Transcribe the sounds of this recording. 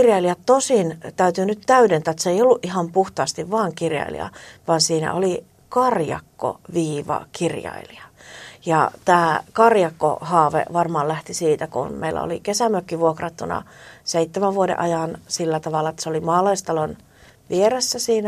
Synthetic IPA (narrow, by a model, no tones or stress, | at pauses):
rjɑiliɑtt̪osint̪æyt̪yːnytt̪æydent̪æːt̪seijolːuʔihɑmpuht̪ɑːst̪iʋʋɑːŋkirjɑ̰ilḭɑ̰ʋɑːnsiːnæ̰ʔo̰li | kɑrjɑ̰kːo̰ʋiːʋɑ̰kirjɑ̰ḭliɑjɑ̰t̪æːkɑrjɑkːo̰hɑːʋḛʋɑrmɑːllæht̪isiːt̪ækṵnmḛilʔæ̰o̰likesæmøkːiʋuokrɑt̪ːunɑ̰seit̪ːemæʋʋuodḛʔɑjɑnsilːæt̪ɑʋɑlːˑɑet̪ːæ̥seolimɑːlɑist̪ɑlon | ʋieɾesːæsiːnæ